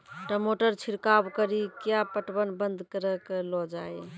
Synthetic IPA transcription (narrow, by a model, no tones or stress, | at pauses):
ʈəmoʈəɾt͡ʃʰiɾkabkəɾikjapəʈbənbənd̪ʱkəɾəklɔd͡ʒaj